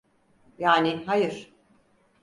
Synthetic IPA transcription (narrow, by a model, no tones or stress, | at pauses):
jaːniɦajɯɾ̥